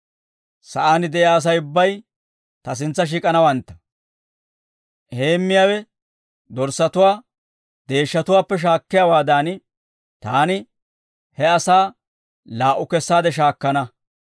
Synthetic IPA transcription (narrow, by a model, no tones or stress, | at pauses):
sɐʔaːnɪd̪ɛʔjaːs̬ɐjʊbːɐj | t̪ɐs̬ɪnt͡sːɐʃ̬iːkʼɐnɐwɐnt̪ːɐ̥ | ʔheːmːɪjaːwɛ | d̪ɔɾsɐt̪ʊwaː | d̪e̞ːʃːɐt̪ʊwaːpːɛʃ̬aːkːɪjawaːd̪aːnɪ | t̪aːnɪ | hɛɐsaː | laːʔʊkɛsːaːd̪ɛʃ̬aːkːɐnɐ